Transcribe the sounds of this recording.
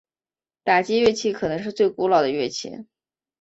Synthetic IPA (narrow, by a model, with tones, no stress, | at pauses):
t̪a˨˩t͡ɕji˥ɥɛ˥˧t͡ɕʰi˥˩kʰɤ˨˩nɤ˧˥ŋʂɻ̩˥˧t͡swe˥˩ɪku˧˥lɑ˨˩ʊd̪ə˦ɥɛ˥˩t͡ɕʰḭ˧˥ŋ